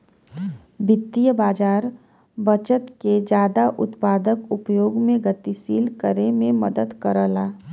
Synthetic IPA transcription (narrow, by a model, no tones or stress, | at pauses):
bɪt̪ːijəbaːd͡ʒaːɾ | bət͡ʃət̪ked͡ʒaːd̪aʔʊ̰t̪paːd̪əkʊpjoːɡmẽɡət̪isiːlkəɾemẽməd̪əd̪kəɾəlaː